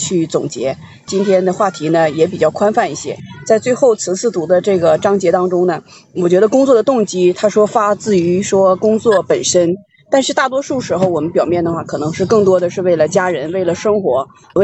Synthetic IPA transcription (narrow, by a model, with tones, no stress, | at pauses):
t͡ɕʰy˥˩t͡sʊ˨˩ŋt͡ɕjɛ˧˥ | t͡ɕi˥nt̪ʰjɛ˥nd̪ə˨xwa˥˩t̪ʰi˧˥nə˧jɛ˧˥p̬i˨˩t͡ɕjɑ˥˩ʊkʰwa˥nfa˥˧ni˥˩ɕjɛ̰˥t͡sa˥˧ɪt͡swe˥˧ɪxo˥˩ʊt͡sʰɹ̩˧˥t͡sʰɹ̩˥˩t̪u˧˥d̪ə˧ʈ͡ʂɤ˥˩ɡə˩ʈ͡ʂɑ˥ŋt͡ɕjɛ˧˥t̪ɑ˥ŋʈ͡ʂʊ˥ŋnə˨˩ | wɔ˨˩t͡ɕɥɛ˧˥d̪ə˧kʊ˥ŋt͡swɔ˥˩d̪ə˩t̪ʊ˥˩ŋt͡ɕi˥t̪ʰa˥ʂwɔ˥fa˥t͡sɹ̩˥˩y˧˥ʂwɔ˥kʊ˥ŋt͡swɔ˥˩pə˨˩nʂə˥n | t̪a˥˧nʂɻ̩˥˧t̪a˥˩t̪̬wɔ˥ʂu˥˩ʂɻ̩˧˥xo˧ʊwɔ˨˩mə˦npjɑ˨˩ʊmjɛ˥˩nd̪ə˩xwa˥˩kʰɤ˨˩nɤ˧˥ŋʂɻ̩˥˧kɤ˥˩ŋt̪wɔ˥d̪ə˨ʂɻ̩˥˧we˥˩ɪlə˩t͡ɕja˥ɻə˧˥nwe˥˩ɪlə˩ʂɤ˥ŋxwɔ˧˥